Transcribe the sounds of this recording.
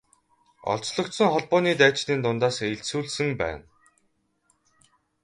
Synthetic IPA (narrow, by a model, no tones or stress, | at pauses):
ɔ̰ɮt͡sɮɞ̆kt̪sə̆ŋχɔɮpɔːniːt̪æːt͡ɕniːnt̪ʊnt̪aːseɬsuːɮsɘ̆ŋpæ̰ːn